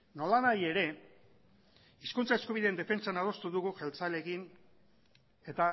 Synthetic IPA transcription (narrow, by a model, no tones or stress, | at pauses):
no̞lanaje̞ɾe̞ | iskunt͡sae̞skuβ̞iðend̪e̞fe̞nt͡sanaðo̞st̪uðuɣuʝelt͡sale̞ɣin | e̞t̪a